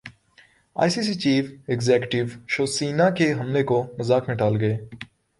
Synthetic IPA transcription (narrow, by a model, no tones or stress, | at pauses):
a̰ːisiːs̬iːt͡ʃiːfɪɡzɛːkjʈɪʋʃoːsiːnaːkeɦəmlekoməzaːkmẽːʈaːlɡəeː